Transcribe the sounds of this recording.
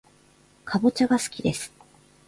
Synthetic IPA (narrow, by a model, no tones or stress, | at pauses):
kʰabo̞t͡ɕaɡasɨ̥kʲid̪e̞sɨ̥